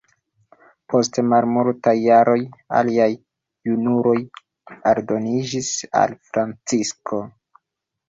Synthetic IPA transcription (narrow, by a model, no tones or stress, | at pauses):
pʰo̞stemalmultajːaɾo̞ja̰liaj | unuɾo̞j | aɾdo̞nid͡ʒisa̰lfɾant͡siskʰo̞